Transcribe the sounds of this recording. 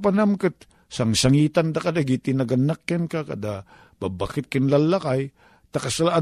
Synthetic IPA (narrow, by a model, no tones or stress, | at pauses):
panamkɨt̪̚ | saŋsaŋiːt̪and̪akad̪aɡit̪ɪnaɡanːakjankakɐ̰d̪a | babakɪt̪̚kɪnlalːakaj | t̪akasalaʔa